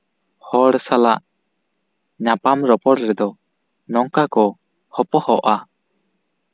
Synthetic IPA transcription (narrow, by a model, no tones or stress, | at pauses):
hɔɽsala̰ʔ | ɲapamɾɔpɔɾɾɛd̪ɔ | nɔŋkakɔ | hɔpɔhɔʔa